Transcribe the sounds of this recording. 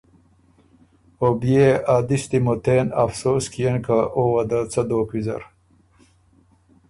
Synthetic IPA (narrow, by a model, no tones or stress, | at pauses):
obijeaːd̪ist̪imot̪eːna̰fsoːskijenkaʔoːwɐd̪at͡sɐd̪oːkwizɐ̰ɾ